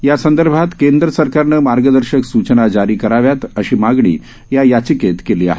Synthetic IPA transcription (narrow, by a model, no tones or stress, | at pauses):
jasənd̪əɾbʱat̪kend̪ɾəsəɾkaɾnəmaɾɡəd̪əɾɕəksut͡ɕənad͡ʑaɾiːkəɾaʋjat̪əɕiːmaɡɳḭː | jajat͡ɕiket̪keliːa̰ɦe